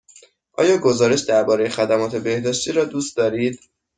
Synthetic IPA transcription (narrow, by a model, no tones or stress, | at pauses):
ʔɒ̰ːjɒːɡo̞zɒːɾe̞ʃd̪æɾbɒːɾe̞jexæd̪æmɒːt̪ʰe̞be̞hd̪ɒːʃt̪ʰiːɾɒːd̪uːst̪̚d̪ɒːɾiːd̪̥